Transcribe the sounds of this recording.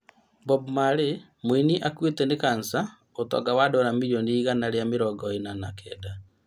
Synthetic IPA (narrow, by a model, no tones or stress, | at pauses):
bɔbmaɾe | mwiniʔakwetɛnekansa | otɔ̰ɡawadɔɾamijoniiɣanaɾjameɾɔɡɔenana̰kɛda